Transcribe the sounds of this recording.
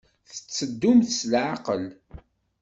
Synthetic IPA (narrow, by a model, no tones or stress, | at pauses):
θə̥t͡sːəd̪ːʊmθsəlʕaqəl